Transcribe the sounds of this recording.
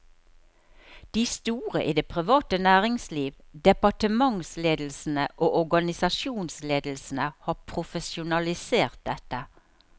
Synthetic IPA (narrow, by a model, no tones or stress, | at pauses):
d̪̥iːst̪uːʁə̰ʔiːd̪eːpʰʁɪʋɑːt̪ənæːʁɪŋsliːʋd̪ɛpɑʈəmɑŋsleːd̪l̩sn̩əʔoːʔɔʁɡɑnɪsɑʃjuːnsleːd̪l̩sn̩əhɑːpʰʁʊfəsʊnɑlɪseːʁt̪̚d̪ɛt̪ːə